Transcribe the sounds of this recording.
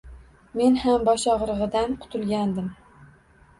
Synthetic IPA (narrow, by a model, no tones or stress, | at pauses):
me̞nhambɒʃɒʁɾɨʁɨd̪anqʰʊ̥t̪ʰʊlˠɡʲand̪ɪm